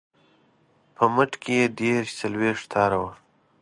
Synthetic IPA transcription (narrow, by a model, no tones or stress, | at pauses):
pʰəməʈkʰejed̪eɾʃt͡salweʂʈt̪ʰɑːɾawa